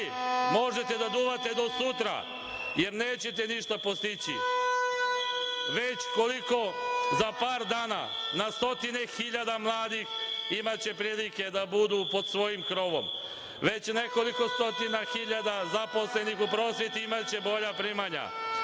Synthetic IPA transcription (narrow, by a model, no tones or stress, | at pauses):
mo̞ʒe̞t̪e̞d̪ad̪uːʋat̪e̞d̪o̞sut̪ɾa̰ | je̞ɾneːt͡ɕe̞t̪eniʃt̪apost̪it͡ɕḭ | ʋet͡ɕko̞liko̞zapaːɾd̪aːna̰nast̪o̞t̪inexiʎad̪amlˠaːd̪iximat͡ɕe̞pɾiːlike̞d̪abud̪upo̞d̪sʋo̞jimkɾo̞ʋo̞̰m | ʋe̞t͡ɕne̞ko̞liko̞st̪o̞t̪inaxiʎad̪azaposle̞nixupɾo̞ːsʋjet̪iimat͡ɕe̞bo̞ʎapɾimaɲa̰